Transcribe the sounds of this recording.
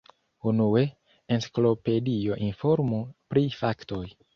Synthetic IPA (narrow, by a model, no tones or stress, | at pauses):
unue̞ | ensi̥klo̞pe̞dio̞ʔinfo̞ɾmupɾifakto̞j